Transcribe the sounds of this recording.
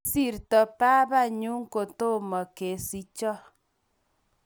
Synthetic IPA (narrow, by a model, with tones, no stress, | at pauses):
si˦˨ɾtɔ˨pa˦βa˦˨ɲu˦ŋ˦ko˨to˦˨mɔ˨ke˨si˦t͡ʃɔ˦